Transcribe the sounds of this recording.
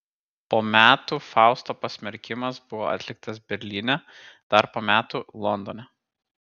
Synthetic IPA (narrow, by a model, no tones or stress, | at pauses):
poːmʲæːt̪ufɑˑʊst̪oːpɐsʲmʲɛɾʲkʲɪmɐsbʊʋo̰ːʔɐ̰t̪ʲlʲɪk̚t̪ɐsbʲɛɾʲlʲɪnʲɛ | d̪̥ɐɾpoːmʲæːt̪uːlˠɔnd̪oːnʲɛ